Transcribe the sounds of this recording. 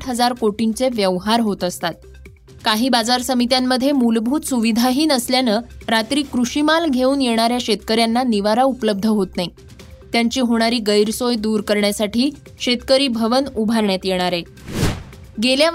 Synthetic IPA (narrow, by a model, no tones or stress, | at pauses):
ʈʰɦəd͡zaɾkoʈint͡seʋjəʋɦaɾɦot̪əst̪at̪̚ | kaɦiːbad͡zaɾsəmit̪jamːəd̪ʱːjemulbʱuːt̪suʋid̪ʱaɦiːnəsljanəɾat̪ɾiːkɾuɕimalɡʱeuːnjeɽ̃aɾjaɕet̪̚kəɾjanːaniʋaɾaupləb̚d̪ʱəɦot̪nai | t̪jaɲt͡ɕiːɦoɽ̃aɾiːɡəjɾsojd̪uːɾkəɾɳjasaʈʰiː | ɕet̪kəɾiːbʱəʋənubʱaɾɳjat̪jeɽ̃aɾe | ɡelja